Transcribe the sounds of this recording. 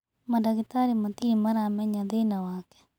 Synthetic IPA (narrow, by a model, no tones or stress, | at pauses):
madaɡit̪aɾimat̪imaɾamɛɲaðenawaːkɛ̥